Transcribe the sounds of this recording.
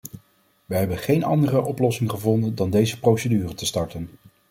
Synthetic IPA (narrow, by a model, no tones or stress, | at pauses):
ʋəɦɛbənχejnɑ̰ndərəʔɔplɔsɪŋχəvɔndəndɑndejzəprowsədyːrətəstɑɹtən